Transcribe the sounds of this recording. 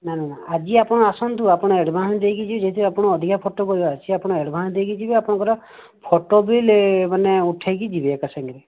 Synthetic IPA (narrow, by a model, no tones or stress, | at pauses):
nananaad͡ʒiapɔɽ̃ɔasɔnt̪uapɔɽ̃ɔeɽbʱaɦɔ̃ñd̪ejkid͡ʒʰibid͡ʒet̪ʰiapɔɽ̃ɔːd̪ʱikʰapʰoʈokɔɾibat͡ʃʰiapɔɽ̃ɔeɽbʱañd̪ejkid͡ʒibiapɔɽ̃ɔ̃ŋkɔɾa | pʰoʈobilmaneuʈʰajkid͡ʒibiekasaŋɡiɾe